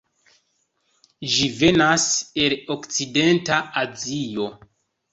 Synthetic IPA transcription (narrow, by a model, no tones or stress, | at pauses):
ʒive̞nase̞lo̞kt͡side̞ntaazijo̞